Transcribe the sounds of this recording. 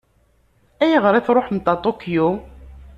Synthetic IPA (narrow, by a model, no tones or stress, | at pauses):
æjəʁɾˤiθɾˤoħmt̪ːɑt̪ˤokːju